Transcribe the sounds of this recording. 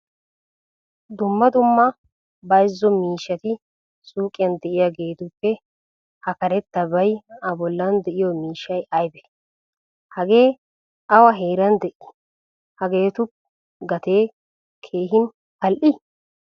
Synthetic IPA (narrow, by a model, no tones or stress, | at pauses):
d̪ʊmːɐd̪ʊmːɐ | bɐjzːɔmiːʃːɐt̪ɪ | sʼuːkʼːɪjɐnd̪ɛʔɪjaɡe̞ːt̪ʊpːɛ | hɐkɐɾɛt̪ːɐbɐjɐbɔlːɐnd̪ɛʔɪjɔmiːʃɐjɐjbɛ̥ | hɐɡe̞ː | ɐwɐɦeːɾɐnd̪ɛʔɪ | hɐɡe̞ːt̪ʊp | ɡɐt̪e̞ː | kʰe̞ːɦɪn | pɐlʔɪ